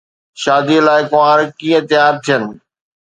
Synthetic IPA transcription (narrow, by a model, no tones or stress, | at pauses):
ʃaːd̪ilaːɪkoʋãːɾkĩːə̃t̪ɪjaːɾt̪ʰijənɪ̆